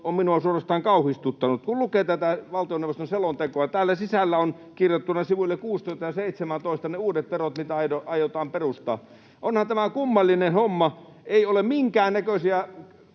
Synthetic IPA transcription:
omminuɑsuorɑst̪ɑːŋkɑˑuhist̪ut̪ːɑnut̪kullukeːt̪æt̪æʋɑlt̪ioneʋˑost̪onselont̪ekoɑt̪æːlːæsisælːæon | kirjot̪ːunɑsiʋulːekuːst̪oist̪ɑjɑseˑit̪semænt̪oˑist̪ɑneuːdet̪ʋerot̪mit̪æɑoɑjot̪ɑːmperust̪ɑ̰ː | ʔonhɑnt̪æmækumːɑlːinehomːɑ | eiolemmiŋkæːnnækøsiæ

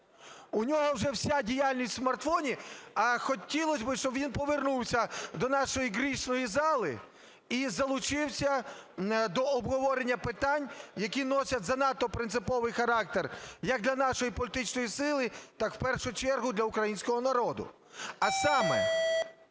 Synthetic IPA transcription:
ʊnʲɔɦɔwʒɛwsʲadʲijalʲnʲisʲtʲsmɐrt̪fɔnʲiɐxɔtʲilˠɔsʲbɪʃt͡ʃɔbʋʲinpɔʋernuwsʲɐd̪ɔnɑʃɔjiɦɾʲiʃnɔjizɑlˠɪ̰ | izɐlˠʊt͡ʃɪwsʲɐ | d̪ɔɔbɦɔʋɔɾenʲːɐpɪt̪ɑnʲjɐkʲinɔsʲɐtʲzɐnɑt̪ːɔpɾɪnt̪sɪpɔʋɪjxɐɾɑk̚t̪erjɐk̚d̪lʲɐnɑʃɔjipɔlʲit̪ɪt͡ʃnɔjisɪlˠɪt̪ɑkw̥pɛrʃʊt͡ʃɛrɦʊd̪lʲɐʊkɾɐjinʲsʲkɔɦɔnɐɾɔd̪ʊ̰ | ɐsɑmɛ

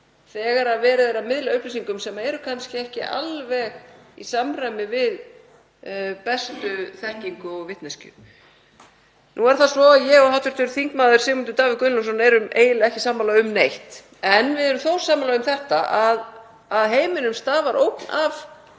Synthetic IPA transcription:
θɛːɣaɾavɛːɾɪðeɾamɪðlaʏplisiŋkʏmsɛmaɛɾʏkʰanscɪɛhcɪ̰ʔa̰lvɛɣḭsamr̥ajmɪvɪð | pɛst̪ʏθɛhciŋkʏɔɣvɪht̪nɛscʏ̰ | nuɛɾ̥θaðsvɔaðjɛɣɔɦawt̪vɪɾ̥t̪ʏɾθiŋkmaːðʏɾ̥sɪːmʏnt̪ʏt̪aːvɪkʏnlɔsɔnaɛɾʏmeːjlaɛhcɪsaːmːalaʏmnejht̪ | ɛnvɪðɛɾʏmθowsaːmːalaɣʏmθɛht̪aʔað | aðɦeːjmɪnʏmst̪aːvaɾʔo̰wpnʔav

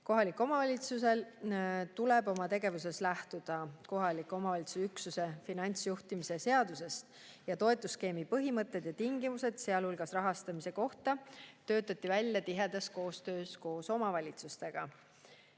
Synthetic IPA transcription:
ko̞ɦɑlikːˑo̞mɑvɑlʲit̪suse̞lt̪ule̞bo̞mɑt̪e̞ɡ̥e̞vuse̞slæht̪ud̪̥ɑko̞ɦɑlikˑo̞mɑvɑlʲit̪susyksuse̞finɑnʲt̪sjuht̪imisese̞ɑd̪̥use̞st̪ | jɑt̪o̞e̞t̪ːˑuske̞ːmipɤɦimɤt̪ːˑed̪̥jɑt̪iŋɡ̥imuse̞d̪̥se̞ɑlhulɡ̥ɑsrɑɦɑst̪ɑmise̞ko̞ht̪ɑt̪ø̞ːt̪ːˑɑt̪ːˑivælʲjɑt̪iɦe̞d̪̥ɑsko̞ːst̪øːsko̞ːso̞mɑvɑlʲit̪sust̪e̞ɡ̥ɑ

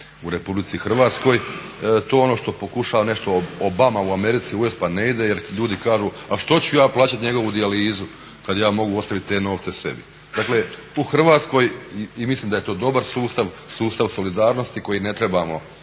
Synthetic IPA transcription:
uɾe̞publit̪sixrʋaːt̪sko̞j | t̪oːonoʃt̪o̞po̞kuʃaːʋane̞ʃt̪o̞obamauame̞ɾit̪siujespane̞id̪e̞jeɾʎuːd̪ikaːʒuː | aʃt̪o̞t͡ɕujaːplˠaːt͡ɕat̪ɲeɡo̞ʋud̪ialiːzu | kad̪jaːmo̞ɡuo̞st̪aʋit̪̚t̪ːe̞ːno̞ːʋt̪se̞se̞̰bi | d̪akle̞ | uxr̩ʋaːt̪sko̞jimislimd̪aje̞t̪o̞ːd̪o̞baɾsuːst̪aʋ | suːst̪aʋso̞lid̪aːɾno̞st̪iko̞jine̞t̪ɾe̞bamo̞̰

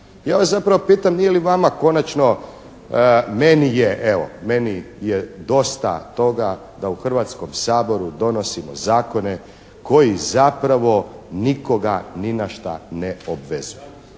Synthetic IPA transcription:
jaːʋaszapɾaʋopiːt̪amnijeliʋamako̞nat͡ʃno̞ | menijeʔeʋo̞̰me̞ni | jed̪o̞st̪a̰t̪o̞ɡa | d̪auxr̩ʋat̪skomsaːbo̞ɾud̪o̞no̞simo̰zaːko̞ne | ko̞jizapɾaʋo̞niko̞ɡaninaʃt̪a̰neobʋezuju

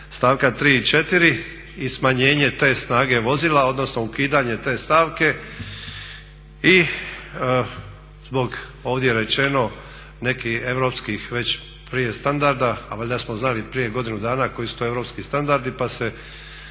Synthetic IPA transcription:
st̪aːʋkat̪ɾiːit͡ʃe̞t̪iɾi | ismaɲeːɲe̞t̪e̞ːsnaːɡe̞ʋo̞ziːlao̞d̪nosno̞ukiːd̪aɲe̞t̪e̞ːst̪aːʋke̞ | i | zbo̞ɡo̞ːʋd̪jeɾe̞t͡ʃe̞no̞ | ne̞kie̞ʋɾo̞ːpskixʋe̞t͡ɕ | pɾije̞st̪and̪aɾd̪aːʋaʎʲd̪asmo̞znalipɾije̞ɡo̞d̪inud̪aːnako̞jisut̪oeʋɾo̞pskist̪and̪aɾd̪ipase̞

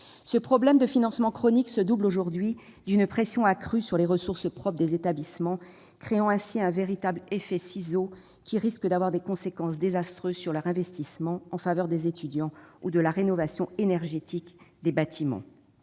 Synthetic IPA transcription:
səpχɔblɛmd̪əfinɑ̃smɑ̃kχɔniksəd̪ubloʒuʁd̪ɥi | d̪ynpχesjɔ̃akχysyʁleʁəsuʁsəpχɔp̚χd̪ezet̪ablismɑ̃ | kχeɑ̃ɛ̃siɛ̃veʁit̪ablefɛsizo | kʲiʁiskəd̪avwaʁd̪ekɔ̃sekɑ̃sd̪ezast̪χøzsyʁlœʁɛ̃vɛst̪ismɑ̃ɑ̃favœʁd̪ezet̪yd̪jɑ̃ud̪əlaʁenɔvasjɔ̃enɛʁʒet̪ikd̪ebat̪ʰimɑ̰̃

